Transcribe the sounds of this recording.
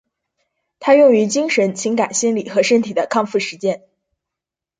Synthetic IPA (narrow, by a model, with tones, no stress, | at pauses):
t̪ʰa˥jʊ˥˩ŋy˧˥t͡ɕi˥ŋʂə˧˥nt͡ɕʰi˧˥ŋka˨˩nɕi˥nli˨˩xɤ˧˥ʂə˥nt̪ʰi˨˩d̪ə˦kʰɑ˥˧ŋfu˥˩ʂɻ̩˧˥t͡ɕjɛ˥˧n